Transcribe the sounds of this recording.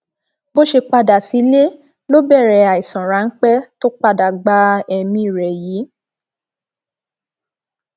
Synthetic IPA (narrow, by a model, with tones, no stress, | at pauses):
bo˦ʃe˧k͡pa˧da˨si˨˦le˦ | lo˦bɛ˦˨ɾɛ˨a˨i˨sã˨ɾa˨˦n̩˦k͡pɛ˦to˦k͡pa˧da˨ɡ͡ba˦ɛ˧mĩ˧˦i˦˨ɾɛ˨jiː˨˦